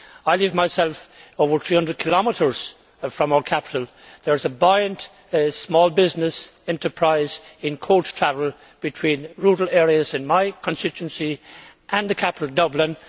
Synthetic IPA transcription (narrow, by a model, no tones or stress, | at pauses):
aɪliːvmaɪsɛlˠfoʊvə˞θɹihʌ̃ndɹəd̚kʰɪlɑmɪɾə˞z̥ | fɹʌ̃maʊə˞kʰæpɪ̥ɾəl̩ˠ | ðə˞ɨzəbaɪə̃nt | smɔːlˠbɪznɪsɛ̃ntʰə˞pʰɹ̥aɪzɪ̃nkʰoʊt͡ʃtʰɹ̥ævəlˠ | b̥ɨtʰw̥ĩːnɹuɾəl̩ɛɹiəzɨ̃nmaɪkʰə̃nstɪt͡ʃʉə̃nsiʔə̃nðɨkʰæpɪtˡl̩ˠdʌblɪ̃n